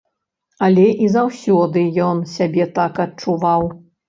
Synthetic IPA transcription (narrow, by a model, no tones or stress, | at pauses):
ɐlʲɛʔizawsʲɔd̪ɨjɔnsʲabʲɛt̪akɐt̚t͡ʂuvaw